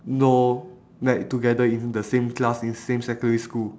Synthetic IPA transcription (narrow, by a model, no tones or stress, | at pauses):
no | nɛʔtuɡɛdəĩndəsẽmklasĩnsẽmsɛkɔ̃ndəɹiskul